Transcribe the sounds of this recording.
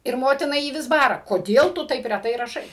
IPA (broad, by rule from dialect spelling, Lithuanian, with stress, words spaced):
ɪr ˈmoːtʲɪnɐ ˈjiː ˈʋʲɪs ˈbɑːrɐ koːˈdʲeːlˠ tʊ ˈtɐɪp rʲɛˈtɐɪ rɐˈʃɐɪ